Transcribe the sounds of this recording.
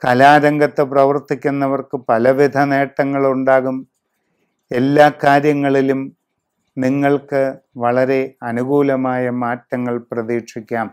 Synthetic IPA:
kɐlaːɾɐŋɡɐt̪ːɨprɐʋɐrt̪ikʲːunːɐʋɐrkɨpɐlɐʋid̪ʱɐne̞ːʈːɐŋːɐɭuɳɖaːɣum | e̞lːaːkaːɾjɐŋːɐɭilum | niŋːɐɭkɨʋɐɭɐɾe̞ɐnuɣuːlɐmaːjɐmaːtːɐŋːɐɭprɐðiːkʂikʲːaːm

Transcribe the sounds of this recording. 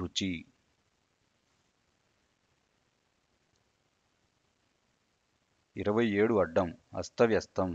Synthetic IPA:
ut͡ʃi | iɾɐʋɐjeːɽuɐɖːɐmɐ̰st̪ʰɐʋjɐst̪ʰɐm

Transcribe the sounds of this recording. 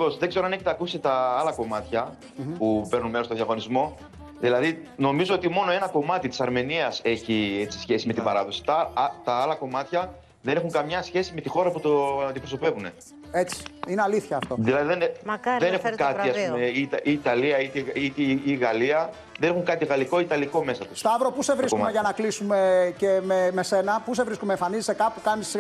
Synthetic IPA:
vo̞sðeɡze̞ɾoɐne̞çit̪ɐːkusst̪et̪ɐɐlɐko̞mɐt̪çɐ | pupe̞ɾnunme̞ɾost̪oðjɐɣo̞nizmo̞ | ðilɐðino̞mizo̞o̞t̪imo̞no̞e̞nɐko̞mɐt̪it̪i̥sɐɾme̞niɐse̞çie̞t͡si̥sçe̞sime̞t̪imbɐɾɐðo̞si̥t̪ɐt̪ɐɐlɐko̞mɐt̪çɐ | ðe̞ne̞xuŋkɐmɲɐsçe̞sime̞t̪ixo̞ɾɐput̪ond̪ipɾo̞so̞pe̞vune̞ | et͡si̥ineɐliθçɐːft̪o̞ðilɐðiðenðene̞xukɐt̪iɐspumeit̪ɐiːt̪ɐliɐit̪eit̪eiɣɐliɐ | ðenexuŋkɐt̪iɣɐliko̞it̪ɐliko̞me̞sɐt̪ust̪ɐvɾopuse̞vɾiskmeʝɐnɐklisumecememese̞nɐpuse̞vɾiskumeːɱfɐnizesekɐpukɐnis

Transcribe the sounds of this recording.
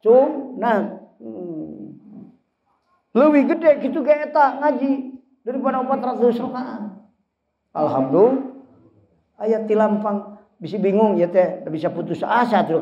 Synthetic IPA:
t͡ʃumna | ləwiɡədɛɡit̪uɡaet̪aŋad͡ʒi | daɾipadaupat̪ɾat̪dəusərt̪a | a̰lɦamdul | ajat̪ilampaŋ | bisibiŋʊŋjat̪ɛdabisaput̪usasat̪ud

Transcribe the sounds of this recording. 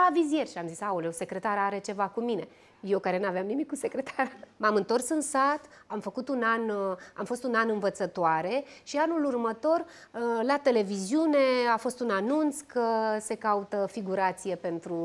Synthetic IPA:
avizje̞rʲʃiamzisauleose̞kɾe̞t̪aɾaɾe̞t͡ʃe̞vakumine̞ | jewkaɾe̞naveamnimikːuse̞kɾe̞t̪ʰaɾəmamɨnt̪o̞rsɨnsat̪ | amfəkut̪unanamfo̞st̪unanɨnvət̪sət̪oaɾe̞ʃianulurmət̪o̞r | lat̪e̞le̞viziune̞afo̞st̪unanunt̪skəse̞kaut̪əfiɡuɾat̪sije̞pe̞nt̪ɾu

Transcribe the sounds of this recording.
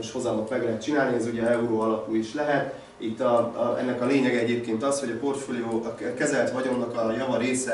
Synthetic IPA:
oʃho̞zɒmot̪mɛɡlɛɦɛt̪t͡ʃinaːlniɛzuɟɛɛuɾoːɒlɒpuiʃlɛɦɛt̪ | it̪ːɒɛ̰nːɛkɒleːɲɛɡɛɛɟeːpkeːnt̪ɒsho̞ɟɒpo̞rt̪foːlijoːkɛzɛlt̪ɦɒɟo̞mnɒkɒjɒvɒɾeːsɛ

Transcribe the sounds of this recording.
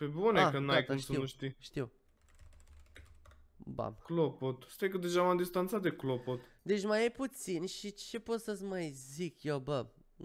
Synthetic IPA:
pebuneakɨnnajk̪asəiuʃt̪iʃt̪iw | ba̰klopot̪st̪jejkəd̪eʒamamd̪ist̪ant̪sat̪̚d̪eklopot̪d̪et͡ʃmajeput̪sinʲʃit͡ʃe̞pot̪səsʲmajzikjewbə

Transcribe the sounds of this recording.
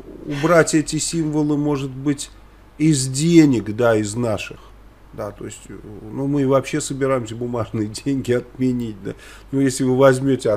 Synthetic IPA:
ʊbɾatʲɛtʲɪsʲimvəlˠɨmo̞ʐɨt̪bɨtʲ | ɪzdʲenʲɪkd̪aɪznaʂɨx | d̪at̪o̞̰ɪsʲtʲnumɨvɐpɕːe̞səbʲɪɾajɪmsʲəbʊmaʐnɨjədʲenʲɡʲɪɐt̪̚mʲɪnʲit̚ʲd̪a | nujesʲlʲɪvɨvɐzʲmʲotʲɪɐ

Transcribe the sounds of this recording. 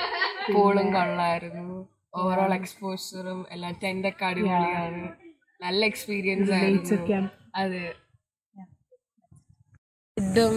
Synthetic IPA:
ppoːɭumkɐɭːaːjiɾunːu | oːʋɐɾoːɭekspoːsɐrumḛlːaːmtɐndɐkːaːɽiɣɐɭaːɳɨ | nɐlːɐekspiːɾijɐnsaːjeiunt͡ɕːɐːkʲːaːm | ɐðɨ | id̪ːɐm

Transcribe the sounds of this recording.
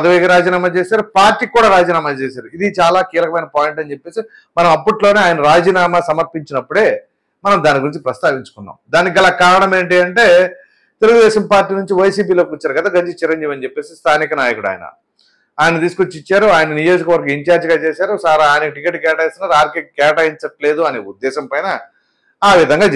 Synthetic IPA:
ɐd̪ɐʋekɐɾaːd͡ʒiːnaːmaːt͡ʃeːsaːɾupaːɾʈːiːkːuːɽaːɾaːd͡ʒiːnaːmaːt͡ʃeːs̬aːɾuid̪it͡ʃaːlaːkiːlɐkɐmɐjnɐpaːjiɳʈɐnt͡ʃe̞pːe̞ːsi | mɐnɐmɐpːuʈlo̞ːneaːjɐnɐɾaːd͡ʒiːnaːmasɐmɐɾpiɲt͡ʃinɐpːuɽe̞ː | mɐnɐmd̪aːniɡuɾiɲt͡ʃipɾɐst̪aːʋiɲt͡ʃu̥kunːa̰ːmd̪aːnikiɡɐlaːkaːɾɐɳɐme̞ːɳʈiɐɳʈe̞ː | t̪eluɡud̪ɛːʃɐmpaːɾʈːiːnuɲt͡ʃiʋɐjsiːp̬iːloːkʲiut͡ʃːaːɾuɡɐd̪aːɡɐd͡ʒit͡ʃiɾɐɲd͡ʒiːʋɐnit͡ʃepːe̞ːsist̪ʰaːnikɐnaːjɐkuɽa̰ːjɐnɐ̰ | aːjnɐt̪iːskuut͡ʃːit͡ʃːaːɾuaːjɐnɐnijo̞ːd͡ʒikɐʋɐɾɡɐiɲt͡ʃaːɾd͡ʒiɡaːt͡ʃeːsaːɾusaːɾaːjnɐkiʈikeːʈːkɛːʈɐjst̪unaːɾaːɾkekɛːʈajiɲt͡ʃɐʈle̞ːd̪uɐneːud̪ːɛːʃɐmpɐjnɐ | aːʋid̪ʱɐŋɡaː

